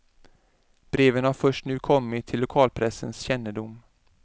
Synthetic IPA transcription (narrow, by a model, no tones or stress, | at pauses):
b̥ɾeːvənhaɾfœʂʈnʉ̟ːkʰɔmːɪt̪ʰːɪlːʊkʰɑːlpʰɾɛsənsɕɛnːəd̪ʊm